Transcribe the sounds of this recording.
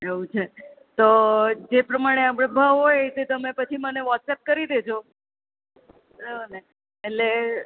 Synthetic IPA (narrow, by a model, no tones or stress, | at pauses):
eũt͡ʃʰe | t̪od͡ʒepɾəmaɽ̃eapɽ̃ebʱəɦojt̪et̪əmepət͡ʃʰiməneʋɔʈsep̚kəɾid̪ed͡ʒo | ɾeneː | tle